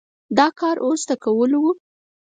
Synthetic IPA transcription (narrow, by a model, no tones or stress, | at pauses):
d̪ɑkɑɾʔozd̪akawəlwu